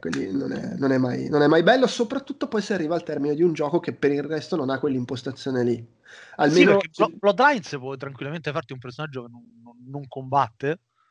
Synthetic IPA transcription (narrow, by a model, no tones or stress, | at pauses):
kwḛlːḭno̰nɛ̰nonɛmːajnonɛmːajbɛlːosopɾat̪ːut̪ːopɔjsearːiːvaːlt̪ɛrmined̪iund͡ʒɔːkok̟epːeɾirɛst̪ononakːwelːimpost̪at̪sjoːneli | almeːnokːebɔblɔt̪ːlajnspwɔjt̪ɾaŋkwilːament̪efaɾt̪iumpersonad͡ʒːokenːonːonːoŋkombat̪ːe